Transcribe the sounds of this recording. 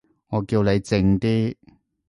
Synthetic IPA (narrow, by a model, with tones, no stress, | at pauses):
ŋɔː˨˧kiː˧wle˨˧jt͡sɪ˧ŋt̪iː˥